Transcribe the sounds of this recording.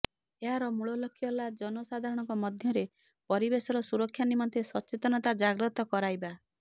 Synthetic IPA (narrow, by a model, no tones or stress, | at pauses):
eɦaɾɔmuɭɔlɔkʰjɔlad͡ʒɔnɔsad̪ʱaɾɔɽ̃ɔ̃ŋkɔmɔd̪ʱjɔɾe | pɔɾibesɔɾɔsuɾɔkʰːjanimɔnt̪ʰesɔt͡ʃet̪ɔnɔt̪ad͡ʒaɡɾɔt̪ɔkɔɾajba